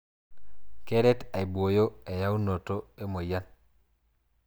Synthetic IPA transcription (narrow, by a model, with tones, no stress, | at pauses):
kɛ˦ɾɛ˦ta˨i˨bwo˨jo˦e˨ja˦u˦no˨to˦e˦mo˨ja˦n